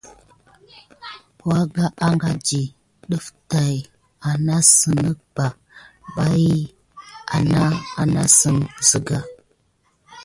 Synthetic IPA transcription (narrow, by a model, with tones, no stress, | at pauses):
ka˦ɡa˦ʔa˦ŋɡa˦d͡ʒi˨ | ɗə˦fta˨j | a˨na˦sə˨nə˦k̚b̥a˨ | ba˦ji˦ | a̰˨na˦a˨na˦sə˦˨nzə˨ɡa˨